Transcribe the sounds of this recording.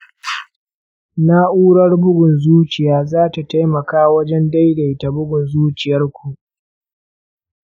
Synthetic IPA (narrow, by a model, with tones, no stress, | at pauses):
na˦ʔuː˦ɽɐ˦rbʊ˦ɡʷʊ˨nzuː˦t͡ʃɪ˨jaː˦zaː˦ta˨ta˦jmɐ˨kaː˦wɐ˦d͡ʒɛ˦nda˦jda˨jta˨bʊ˦ɡʷʊ˨nzuː˦t͡ʃɪ˨jɐ˦rkʷu˨ʔ